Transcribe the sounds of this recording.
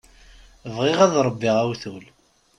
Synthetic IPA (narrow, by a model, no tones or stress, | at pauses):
vʁɪʁæðɾˤəbːiʁæwθul